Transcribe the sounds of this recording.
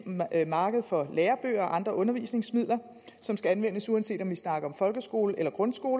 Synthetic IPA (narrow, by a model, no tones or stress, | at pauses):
mɑ̈ːɡ̥əð̞ˠfɒ̽leːɐb̥ø̰ːɐɒ̽ʔɑ̈nd̥ʁɐʔɔ̽nɐʋiːsne̝ŋsmið̞̰ˠlɐ | sɒ̽msɡ̥æænʋen̰əsuænse̝̰ːd̥ɒ̽mʋisnɑ̈ːɡ̥ɐɒ̽mfɒ̽lɡ̥əsɡ̥o̝ːləʔelɐɡ̥ʁɔ̽nsɡ̥o̝ːl